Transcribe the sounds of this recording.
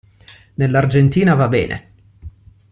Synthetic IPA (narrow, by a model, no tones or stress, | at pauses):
nelːard͡ʒent̪iːnavabɛːnʔḛ